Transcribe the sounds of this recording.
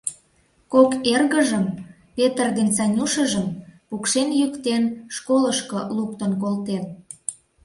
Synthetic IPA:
kokerɣəʒəm | pet̪ərd̪ent͡sɑnʲuʃəʒəmpukʃenjykt̪enʃkoləʃkoluk̚t̪ə̆nkolt̪en

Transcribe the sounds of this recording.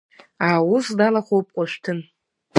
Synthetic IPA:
awʊsdalaχʷowp̚ʼqʷʼaʃʷᶣtʰɨn

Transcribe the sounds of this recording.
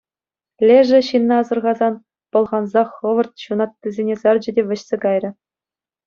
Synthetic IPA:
lʲeʐɘ̆ɕinːɑ̆ɑzɤ̆rʁɑzɑn | pɤ̆lˠʁɑnzɑχɤ̆ʋɤ̆rt̪̚ɕunɑt̪ːʲɘzʲenʲezɑrd͡ʑɘ̆dʲeʋʲɘ̆ɕsʲeɡɑjrʲɘ̆

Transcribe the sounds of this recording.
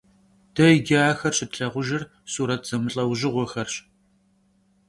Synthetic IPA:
d̥ɐɪɡʲaːxɐrɕɪtɬɐʁʷʊʒɪr | suːɾɐtʰz̥ɐmɨɬʼɐwʒɪʁʷɔxɐrɕ

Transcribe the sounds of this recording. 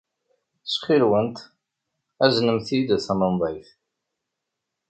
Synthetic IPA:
sχilwənt̪ | æznəmθid̪æθæməmðˤɑjθ

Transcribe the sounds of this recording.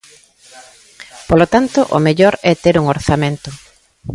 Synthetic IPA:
polot̪ant̪ʊʔo̰meʎɔɾɛt̪eɾuŋoɾθamẽnt̪ʊ

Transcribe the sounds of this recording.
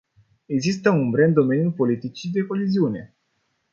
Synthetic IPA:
eɡzist̪əumbɾeɨnd̪o̞me̞njulpo̞lit̪it͡ʃid̪e̞ko̞ɦeziune̞̰

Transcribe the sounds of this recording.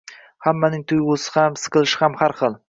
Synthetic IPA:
hamːanɪŋt̪ʰʊjosɪ̥hamsɨ̥qɨlˠɪʃɪhamhaɾχɨlˠ

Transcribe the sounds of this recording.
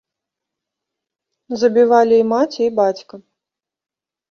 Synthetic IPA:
zɐbʲivalʲiːmat͡sʲiibat͡sʲkɐ

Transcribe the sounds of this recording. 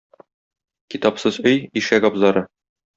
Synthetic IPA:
kit̪ɑpsɤzɵjiʃæɡɒbzɑɾɤ

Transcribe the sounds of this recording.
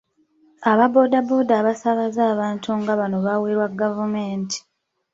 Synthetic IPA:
aβabo̞ːdabo̞ːdaβasaβazaːβaːntʰuŋɡaβano̞βaweːɾwaɡavumeːntʰi̥

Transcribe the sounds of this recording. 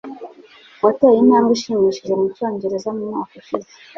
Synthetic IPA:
watejinaːmɡiʃiːmiʃiʒekumucoːɲɟeɾezamumɲaːkoʃize

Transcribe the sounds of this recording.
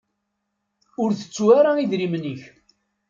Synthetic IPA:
ʊɾθə̥t͡sːwaɾaiðɾiməniç

